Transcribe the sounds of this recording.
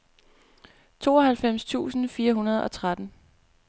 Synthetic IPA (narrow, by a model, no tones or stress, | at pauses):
t͡sʰo̝̰ːɒ̽ɦælfem̰st͡sʰṵːsn̩fiːɐɦunɐð̞ˠɒ̽t͡sʰʁad̥n̩